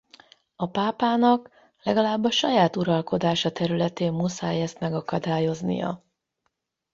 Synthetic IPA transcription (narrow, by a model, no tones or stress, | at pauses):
ɒpaːpaːnɒk | lɛɡɒlaːbːɒʃɒjaːt̪uɾɒlko̞d̪aːʃɒt̪ɛɾylɛt̪eːmmusaːjɛst̪mɛɡɒkɒd̪aːjo̞znḭjɒ̰